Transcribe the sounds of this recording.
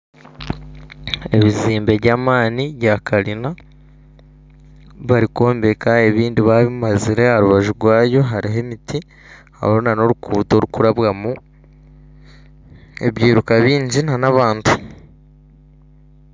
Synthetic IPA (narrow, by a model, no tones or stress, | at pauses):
e̞βiziːmbe̞βɟaːmaːniβjakʰaɾina | βaɾiko̞ːmbe̞kae̞βiːndiβaβiumaziɾe̞haɾuβaʒuɾɡwaːjo̞ɦaɾiɦe̞miti | a̰βonano̞ɾukuːto̞ɾukuɾaβɣamu | e̞̰βjiːɾukaβiːɲɟinanaβaːntʰu